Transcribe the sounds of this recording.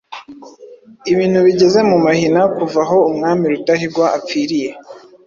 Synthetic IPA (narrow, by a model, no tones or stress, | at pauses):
iβiːn̥huβiɟe̞ze̞mumahinakuvaɦo̞umŋaːmiɾutaɦiɾɡwaʔap̪p͡fiːɾije̞